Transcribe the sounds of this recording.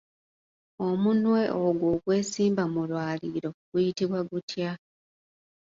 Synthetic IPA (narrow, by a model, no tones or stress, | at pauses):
o̞munwe̞ʔoɡwo̞ɡwe̞ːsiːmbamulwaːliːɾo̞ɡ̥ujitiβwaɡutʰja